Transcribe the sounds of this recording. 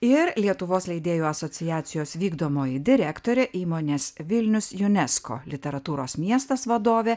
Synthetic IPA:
ɪɾlʲiɛt̪ʊʋoːslʲɛɪd̪ʲeːjoːɐsot̪sʲɪjæːt̪sʲɪjoːsʋʲiːɡd̪oːmoːjɪd̪ʲɪɾʲæːkt̪oːɾʲɛʔiːmoːnʲeːsʋʲɪlʲnʲʊsjʊnʲɛsko̰ːlʲɪt̪ʲɛɾɐt̪uːɾoːsmʲiɛst̪ɐsʋɐd̪oːʋʲeː

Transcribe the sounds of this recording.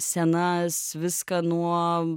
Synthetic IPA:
sʲɛnɐsʋʲɪskɐnuɔ

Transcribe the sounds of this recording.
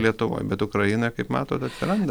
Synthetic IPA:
lʲiɛt̪ʊʋo̰ːjbʲɛt̪ʊkɾɐjɪnɐɪkɐɪpmɑːt̪oːt̪ɐt̪ʲsʲɪɾɐnd̪ɐ

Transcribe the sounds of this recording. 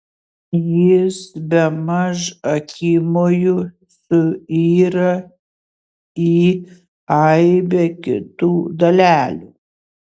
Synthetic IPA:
jɪsbʲɛmɐʃɐkʲʰiːmoːjʊ | sʊiːɾɐ | iː | ɐɪbʲɛkʲɪ̰t̪uːd̪ɐlʲæːlʲṵː

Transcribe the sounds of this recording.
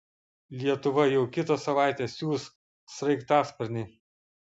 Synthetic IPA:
lʲiɛt̪ʊʋɐjɛʊkʲɪt̪ɐsɐʋɑˑɪt̪ʲeːsʲjuːs | sɾɐɪkt̪ɑːspʲɐɾʲnʲɪɪ

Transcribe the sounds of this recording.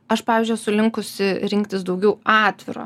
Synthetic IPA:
ɐʃpɑːʋʲiːzʲd͡ʒʲʊjsʊlʲɪŋkʊsʲɪɾʲɪŋkt̪ʲɪsd̪ɐʊɡʲɛʊɑːt̪ʲʋʲɪɾo̰ː

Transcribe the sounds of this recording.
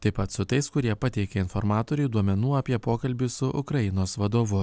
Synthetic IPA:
t̪ɐɪpɐt̪sʊt̪ɐɪskʊɾʲiɛpɐt̪ʲɛɪkʲɛɪnfɔɾmɑːt̪oːɾʲɛɪd̪uɔmʲɛnuːɐpʲiɛpoːkɐlʲbʲɪsʊʔʊ̰kɾɐjɪnoːsʋɐd̪oːʋʊ

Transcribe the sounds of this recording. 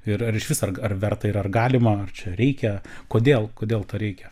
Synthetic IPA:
ɪɾɐɾɪʃʋʲɪsɐrɐrʋʲɛrt̪ɐɪɾɐrɡɑːlʲɪmɐɐrt͡ʃʲɛɾʲɛɪkʲɛkoːd̪ʲeːlˠkoːd̪ʲeːlˠt̪ɐɾʲɛɪkʲɛ

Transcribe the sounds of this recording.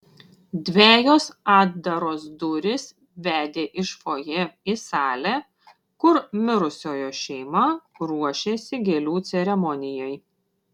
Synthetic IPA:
d̪ʲʋʲæːjoːsɑːd̪̚d̪ɐɾoːsd̪ʊɾʲɪs | ʋʲæːd̪ʲeːʔɪʃfoːjɛɪsɑːlʲɛː | kʊɾmʲɪɾʊsʲoːjoːʃʲɛɪmɐɾuɔʃʲeːsʲɪɡʲelʲuːt̪sʲɛɾʲɛmɔnʲɪjɛj

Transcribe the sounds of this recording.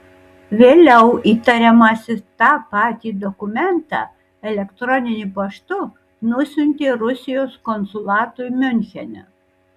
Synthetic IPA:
ʋʲeːlʲɛʊiːt̪ɐɾʲɛmɐsʲɪt̪ɑːpɑːt̪ʲiːd̪ɔkʊmʲɛnt̪ɑ̰ː | ɛlʲɛkt̪ɾɔnʲɪnʲʊpɐʃt̪ʊ | nʊsʲʊnʲt̪ʲeːɾʊsʲɪjoːskɔnsʊlˠɑːt̪ʊmʲʊnʲxʲɛnʲɛ̰

